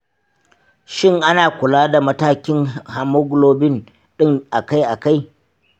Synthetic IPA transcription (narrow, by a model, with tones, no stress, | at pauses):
ʃɪ˦ŋʔa˦naː˨kʷʊ˨laː˦da˨mɐ˦taː˦kʲɪ˦ŋha˨mʊ˦ɡloː˦bɪ˦n | ɗɪ˦ŋʔa˨ka˦jʔa˨ka˦j